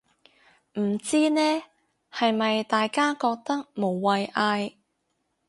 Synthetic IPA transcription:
m̩˨˩t͡siː˥nɛː˥ | hɐ˨jmɐ˨jt̪aː˨jkaː˥kɔː˧k̚t̪ɐ˥k̚mo˨˩wːɐ˨˧jʔaː˧j

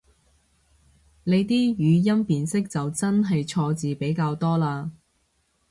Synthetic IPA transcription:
le˨˧jt̪iː˥jyː˨˧jɐ˥mpiː˨nsɪ˥k̚t͡sɐ˨wt͡sɐ˥nɦɐ˨jt͡ʃʰɔː˧t͡siː˨pe˨˥jkaː˧wt̪ɔː˥laː˧

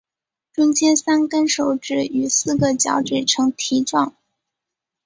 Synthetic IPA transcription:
ʈ͡ʂʊ˥ŋt͡ɕjɛ˥nsa˥nkə˥nʂo˨˩ʊʈ͡ʂɻ̩˥˩y˨˩sɹ̩˥˩ɡə˨˩t͡ɕjɑ̰˧˥ʊʈ͡ʂɛ˨˩ʈ͡ʂʰɤ˧˥ŋt̪ʰi˧˥ʈ͡ʂwɑ˥˩ŋ

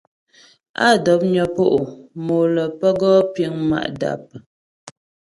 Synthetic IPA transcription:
a̰˦˨dɔ˨˦p̚ɲɔ˨po˦ʔo˨mo˨lə˨pə˦ɡɔ˦pji˨˦ŋma̰˦˨ʔda̰˨p̚

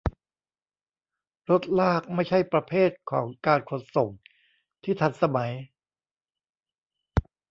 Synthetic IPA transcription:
ɾo˦˥t̪̚laː˥˩k̚ma˥˩jt͡ɕʰa˥˩jpɾa˧pʰeː˥˩t̪̚kʰɔ̰ː˩˦ŋkaː˧nkʰo˨˩nso˨˩ŋ̚ | t̪ʰiː˥˩t̪ʰa˧˩nsa˧ma˩˦j

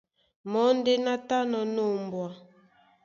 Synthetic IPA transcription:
mɔ˦nde˦na˦ta˦nɔ˨no˦˨mbwa˨

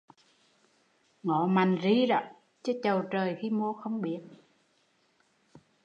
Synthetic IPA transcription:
ŋɔ˧˨ma˨˩jŋzi˧˦za̰˧˨˦ | t͡ɕə˧˥t͡ɕə˨˩wt͡ɕəː˨˩jxi˧mu˧əxə˧wŋ͡mɓi˨˦ət̚

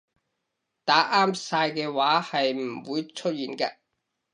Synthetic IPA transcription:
t̪aː˨˥ʔaː˥msaː˧jkɛː˧waː˨˥hɐ˨jm̩˨˩wuː˨˧jt͡ʃʰɵ˥t̚jiː˨˩nka˧

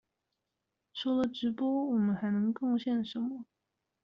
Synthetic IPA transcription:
ʂɔ˥ʊlə˨ʈ͡ʂɻ̩˧˥pwɔ˥wɔ˨˩mə˦nxa˧˥ɪnɤ˧˥ŋkɤ˥˧ŋɕjɛ˥˩nʂə˧˥nmə˧

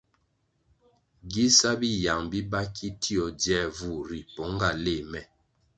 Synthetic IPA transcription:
ɡi˦sa˦bi˦ja˨ŋbi˦ba˦kʰi˦tʰi˦ɔ˨djɛ˦˨vu˦˨ɾi˨pɔ˨˦ŋ˦ɡa˨le˦˨mɛ˨

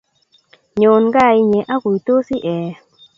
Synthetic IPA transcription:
ɲo˨nɡa˦˨i˦ɲɛ˨ʔa˦ku˨i˨to˦si˦ʔɛ˨

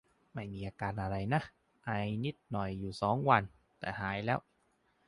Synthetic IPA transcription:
ma˥˩jmiː˧ʔaː˧kaː˧nʔa˧ɾa˧jna˦˥˩ | ʔa˧jni˦˥˩t̪̚nɔ˨˩jːuː˨˩sɔː˩˦ŋwa˧n | t̪ɛː˨˩haː˩˦jlɛː˦˥˩w

